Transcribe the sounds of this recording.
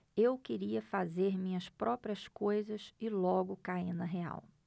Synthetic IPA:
ewkɪɾiɐfazeɾmĩɲɐspɾʔɔpɾiɐskojzɐsɪlɔɡʊkainɐɦea̰w

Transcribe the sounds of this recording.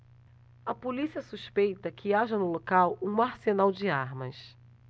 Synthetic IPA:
ɐpolisiɐsuʃpejt̪ɐkʰɪaʒɐnʊlokawũaɾsenawd͡ʒɪaɾmɐ̰s

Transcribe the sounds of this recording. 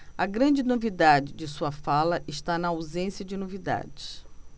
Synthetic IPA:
ɐɡɾɐ̃d͡ʒɪnovid̪ad͡ʒɪd͡ʒɪsuɐfalɐʔɪʃt̪anɐːawzẽsjɐd͡ʒɪnovid̪a̰d͡ʒɪs

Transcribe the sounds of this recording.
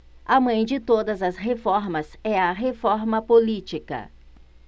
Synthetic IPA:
ɐmɐ̃j̃d͡ʒɪt̪od̪ɐzɐsɦefɔɾmɐzɛɐɦefɔɾmɐpolit͡ʃikɐ̰

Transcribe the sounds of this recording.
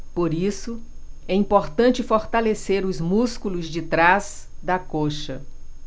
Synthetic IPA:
poɾisʊ | ɛĩpoɾt̪ɐ̃t͡ʃɪfoɾt̪aleseɾʊzmuskulʊzd͡ʒɪt̪ɾazd̪ɐkoʃɐ̰

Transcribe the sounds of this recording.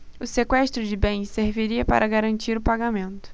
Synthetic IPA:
ʊsekwɛʃt̪ɾʊd͡ʒɪbẽj̃seɾviɾiɐpa̰ɾʔɐɡaɾɐ̃nt͡ʃiɾʊpaɡamẽnt̪ʊ̥

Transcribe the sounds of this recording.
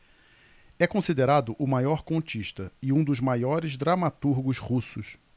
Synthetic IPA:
ɛkõsid̪eɾad̪ʊʔʊmajɔɾkõt͡ʃiʃt̪ɐɪũd̪ʊzmajɔɾɪzd̪ɾamat̪uɾɡʊzhusʊs

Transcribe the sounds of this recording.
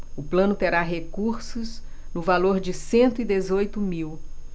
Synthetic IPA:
ʊplɐ̃nʊt̪eɾaɦekuɾsʊs | nʊvaloɾd͡ʒɪsẽnt̪ʊid̪ezojt̪ʊmiw

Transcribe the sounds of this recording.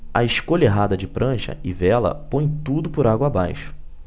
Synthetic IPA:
ɐ̰ɪʃkoʎɐeɦad̪ɐd͡ʒɪpɾʔɐ̃ʃɐ̰ɪvɛlɐ̰põj̃t̪ud̪ʊpʊɾaɡwɐabajʃʊ̥

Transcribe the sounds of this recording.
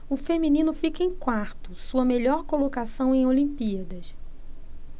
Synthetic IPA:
ʊfemĩnĩnʊfikɐẽj̃kwaɾt̪ʊsuɐmeʎɔɾkolokasɐ̃w̃ẽj̃olĩmpiɐd̪ɐʃ

